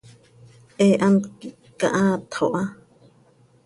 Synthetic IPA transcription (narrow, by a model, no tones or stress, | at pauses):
ʔeʔãnki | ka̰ʔãːt̪ʰoʔa